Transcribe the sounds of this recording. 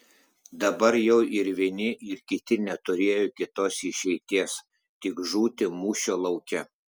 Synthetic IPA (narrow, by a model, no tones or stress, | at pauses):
d̪ɐbɐɾjɛʊʔɪɾʋʲiɛnʲɪʔɪɾkʲɪt̪ʲɪnʲɛt̪ʊɾʲeːjoːkʲɪt̪oːsɪʃʲɛɪt̪ʲiːs | t̪ʲɪkʒuːt̪ʲɪmuːʃʲoːlˠɒʊkʲɛ